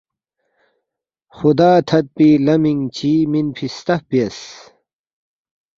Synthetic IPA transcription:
xud̪aːt̪ʰɐt̪̚pilɐmiŋt͡ɕiminpʰist̪ɐhpiɐs

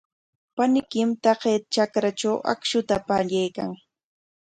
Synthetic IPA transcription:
panɪkɪmt̪ɑqet̪t͡ʃakɾat͡ʃawʔa̰kʃʊt̪apaʎajka̰ŋ

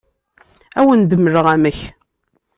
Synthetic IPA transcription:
æwənd̪əməɾəʁæməç

